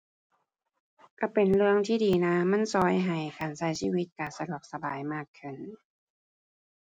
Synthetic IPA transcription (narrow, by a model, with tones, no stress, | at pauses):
ka˧˩pe˨˩nlɯ˧˥˧əŋt̪ʰiː˥˩diː˨˩na˧˥ma˧˥˨nsɔː˧˥jɦa˨˩jkaː˨˩nsa˧˦jsiː˧˩wi˦t̪̚kaː˨˩sa˧du˧˩ək̚sa˧ba̰ː˨˩jmaː˥˩kʰːɯ˧˩n